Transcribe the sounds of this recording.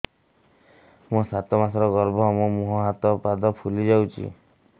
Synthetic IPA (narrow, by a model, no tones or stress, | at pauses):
mũsat̪ɔmasɔɾɔɡɔɾbʱɔmumuɦɔɦat̪ɔpad̪ɔpʰulid͡ʒawt͡ʃʰḭ